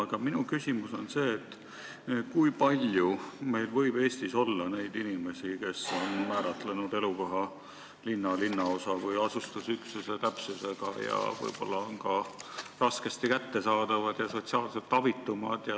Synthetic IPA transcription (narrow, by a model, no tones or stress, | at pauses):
ɡ̥ɑminukysimuso̞nse̞ːt̪ːˑ | kujpɑlʲjume̞jlvɤ̞jb̥e̞ːsʲt̪iso̞lːɑne̞jd̪inime̞sike̞so̞nmæːɾɑt̪lenud̪e̞luko̞ɦɑ | linːɑlinːɑo̞sɑvɤjɑsust̪usyksuse̞t̪æpsuse̞ɡ̥ɑ̰jɑ̰vɤ̰jb̥o̞lːɑonkɑrɑske̞st̪ikæt̪ːe̞sɑːd̪̥ɑvɑd̪̥jɑso̞t̪siɑːlselt̪ːˑɑvit̪ːumɑd̪̥jɑ